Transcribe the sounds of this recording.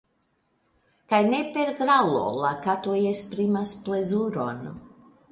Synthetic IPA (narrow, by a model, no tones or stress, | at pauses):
kajnepeɾɡɾalo̰lˠakat̪ojespɾimasplezuɾo̰n